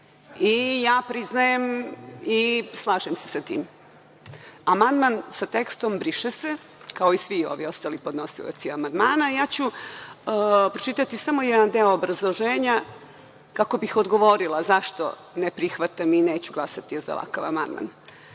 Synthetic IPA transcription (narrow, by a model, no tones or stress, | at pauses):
ijaːpɾiznajemislˠaːʒemse̥sat̪ḭːm | amand̪mansat̪ekst̪ombɾiʃese | kaoisʋio̞̰ʋio̞st̪alipo̞d̪no̞silo̰t̪siamand̪maːnajaːt͡ɕu | pɾot͡ʃit̪at̪isamo̞jɛd̪and̪eoːbɾazlˠoʒeːɲa | kakobixod̪ɡo̞ʋo̞ɾilˠazaʃt̪o̰ | nepɾixʋat̪amineːt͡ɕuɡlˠasat̪iza̰la̰ka̰ʋa̰ma̰nd̪ma̰n